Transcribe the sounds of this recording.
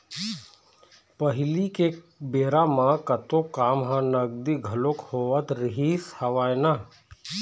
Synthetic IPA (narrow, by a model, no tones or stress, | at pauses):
pəɦɪlike | beːɾamãkɐt̪okaːmɦãnɐɡ̚d̪iɡʱɐlokhoːʋət̪ɾɪɦiːshɐʋaːjna